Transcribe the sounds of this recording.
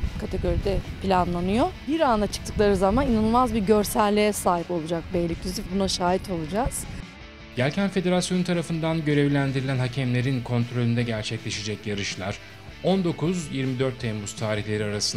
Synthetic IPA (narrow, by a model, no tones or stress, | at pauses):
kʰat̪ʰeɡo̞ɾid̪ɛpʰilʲanlˠanɯjo̞biɾand̪at͡ʃʰɯ̥k̚t̪ʰɯklˠaɾɯzamaninanɯlˠmazbiɾɟø̞ɾsælʲlʲejɛsaːɦipo̞lˠud͡ʒak̚bɛllʲiclʲyzifbunaʃaːɦit̪ʰo̞lˠud͡ʒaz̥ | ɟ̥ælʲcʰænfe̞d̪e̞ɾasjo̞nut̪ʰaɾafɯnd̪anɟø̞ɾevlʲænd̪iɾilʲænɦacʰɛmlʲe̞ɾinkʰo̞nt̪ɾo̞lʲynd̪ɛɟæɾt͡ʃʰɛclʲe̞ʃed͡ʒɛcjaɾɯʃlˠaɾ̥ | o̞nd̪o̞kʰuzjiɾmid̪ø̞ɾt̪ʰːɛmbust̪ʰaːɾiçlʲe̞ɾiaɾasɯn